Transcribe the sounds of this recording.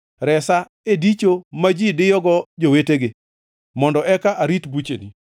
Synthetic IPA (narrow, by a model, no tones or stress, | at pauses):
ɾɛsa | edit͡ʃomad͡ʒidɪjɔɡɔd͡ʒoweteɡɪ | mɔndɔʔɛkaʔaɾit̪but͡ʃḛnḭ